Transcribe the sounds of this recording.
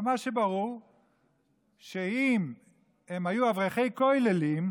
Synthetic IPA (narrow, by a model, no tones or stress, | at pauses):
maʃebaʁuʁ | ʃeim | emhajuavʁeχejkojlelim